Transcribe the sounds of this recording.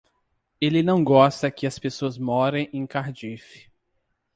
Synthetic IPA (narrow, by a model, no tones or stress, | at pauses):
elɪnɐ̃w̃ɡɔst̪ɐkɪɐspesoɐzmɔɾẽj̃ẽj̃kaɾd͡ʒifɪ̥